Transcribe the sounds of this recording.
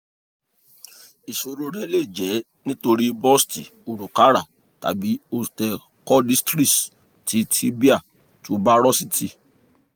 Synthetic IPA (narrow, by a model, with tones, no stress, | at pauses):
i˨so˨˧ɾo˨˦ɾɛ˦le˦˨d͡ʒɛ˨˦ | nĩ˦to˧ɾi˦bɔ˦sti˨o˨ɾu˨ka˨˦ɾa˦˨ | ta̰˨bi˨˦o˧tɛ˧ | kɔ˦li˦stɾi˦s | ti˨˦ti˦bi˦a˦˨ | to˨˧˦ba˦ɾɔ˦si˦tʰi˦˨